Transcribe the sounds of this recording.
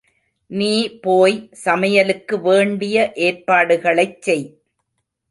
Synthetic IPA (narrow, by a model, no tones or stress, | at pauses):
niːpoːjsɐmɐjɐlɯkːɯʋeːɳɖɪjɐʔeːrpaːɽɯɣɐɭɐɪt͡ʃːɛj